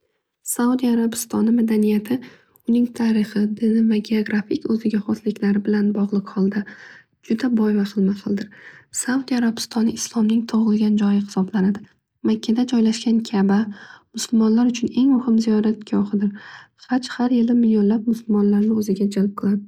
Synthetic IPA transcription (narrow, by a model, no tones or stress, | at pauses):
saud̪ijaɾabɪst̪ɒnɪmad̪anijat̪ʰɪ | ʊnɪŋt̪ʰaɾɪχɨd̪ɪnɪvaɡʲeoɡɾafɪkʲɵzɪɡʲaχɒt̪lɪkʲlaɾɪbɪlanbɒʁlˠɨqhɒlˠd̪a | d͡ʒʊd̪abɒjvaχɨlˠmaqʰɨlˠd̪ɪɾsaud̪iaɾabɪ̥st̪ʰɒnɪɪslˠɒmnɪŋt̪ʰoʁɨlˠɡʲand͡ʒɒjɪhɪ̥sɒblanad̪ɪ | makʲʰːad̪ad͡ʒɒjlaʃkʲankʲʰabamʊsʊlˠmɒnlaɾʊt͡ʃʰʊne̞ŋmʊhɪmzijɒɾat̪̚ɡʲʰɒχɨd̪ɪɾ | χat͡ʃhaɾjɪlɪmɪlijonlab̚mʊsʊlˠmɒnlaɾnɪɵzɪɡʲad͡ʒalp̚qʰʊɾad̪ɪ